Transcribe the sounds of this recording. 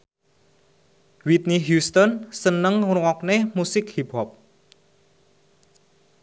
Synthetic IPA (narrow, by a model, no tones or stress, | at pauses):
wit̪̚niɦjust̪ɔnsənəŋɾwɔk̚nemusɪkhiphɔp̚